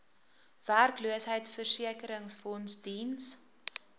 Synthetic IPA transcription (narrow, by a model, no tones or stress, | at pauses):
værkluəsɦəjtfərsiəkəɾəŋsfɔnsdins